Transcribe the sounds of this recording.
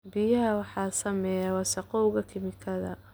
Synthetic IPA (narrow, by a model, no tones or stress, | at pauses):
bɪjɐɦɐwɑħɑːsɐmɛjawɑsɐqɔʊɣɐkʰɪmɪkʰɐðɐ̰